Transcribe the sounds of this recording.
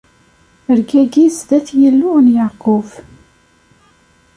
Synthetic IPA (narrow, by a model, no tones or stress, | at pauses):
əɾɡæɡizðæθjəlːʊʁnjaqʊf